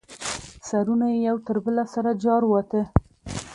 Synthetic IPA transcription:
saɾunajejawt̪əɾbəlasaɾad͡ʒɑɾwat̪ə

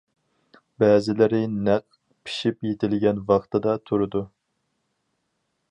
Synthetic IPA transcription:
bɛːzɪlɪɾɪnæq̚ | pʰi̥ʃipjet̪ʰɪlɡʲɛnvɑχt̪ɨd̪ɑt̪ʰuɾɨd̪u

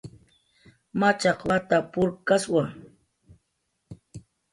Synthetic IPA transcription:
mat͡ʃɑqwat̪apʊɾkaswaŋ

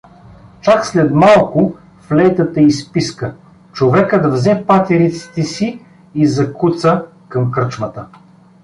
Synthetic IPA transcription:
t͡ʃakslɛd̪malˠkʊ | flɛjt̪ət̪əispiskə | t͡ʃovɛkəd̪vzɛpat̪ɛɾit̪si̥t̪ɛsi | izɐkut̪sə | kɐmkɾət͡ʃmət̪ə

